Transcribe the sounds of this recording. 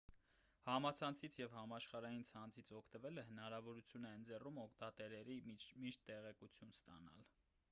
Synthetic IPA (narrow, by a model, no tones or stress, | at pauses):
hɑmɑt͡sʰɑnt͡sʰit͡sʰjɛvhɑmɑʃχɑɾɑjint͡sʰɑnt͡sʰit͡sʰɔkʰt̪əvɛləɦənɑɾɑvɔɾut͡sʰjunɛnd͡zɛrumɔkʰt̪ɑt̪ɛɾɛɾimiʃt̪ːɛʁɛkut͡sʰjunst̪ɑ̰nɑ̰l